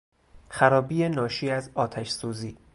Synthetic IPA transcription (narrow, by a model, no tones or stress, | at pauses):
xæɾɒːbiːenɒːʃiːæzɒːt̪ʰæʃsuːziː